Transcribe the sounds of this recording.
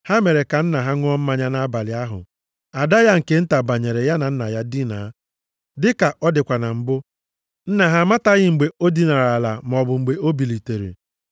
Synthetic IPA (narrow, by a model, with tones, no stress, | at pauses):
ha˦me˨ɾe˨ka˨n̩˦na˨ɦa˦ŋʷ˦ɔ˦m̩˦ma˦ɲa˦na˦ba˨lɪ˨a˦ɦʊ̰˨ | a˨da˦ja˦ŋ̩˨ke˦n̩˦ta˨ba˨ɲe˨ɾe˨ja˦na˨n̩˦na˨ja˦di˦na̰˨˦ | dɪ˦ka˨ʔɔ˦dɪ˨kʷa˨na˨m̩˨bʊ˦ | n̩˦na˨ɦa˦ma˦ta˦ɣɪ˦ŋ͡m̩˨ɡ͡be˨o˦di˦na˨ɾa˨la˨m˨ɔ˨bʊ˨ŋ͡m̩˨ɡ͡be˨o˦bi˨li˨te˨ɾḭ˨